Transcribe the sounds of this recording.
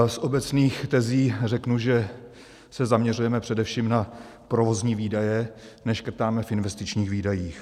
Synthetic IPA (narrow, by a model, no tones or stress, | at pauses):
sʔo̞bɛt͡sniːxt̪ɛziːrɛknuʒɛ | sɛzamɲɛrujɛmɛpr̥ɛdɛfʃiːmna | pɾovo̞zɲiːviːdajɛ | nɛʃkr̩t̪aːmɛfʔɪnvɛst̪ɪt͡ʃɲiːxviːdajiːx